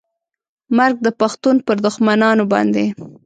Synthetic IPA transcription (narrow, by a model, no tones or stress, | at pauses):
maɾɡ̚d̪əpaxt̪unpəɾd̪ʊxmanɑnobɑ̰nd̪e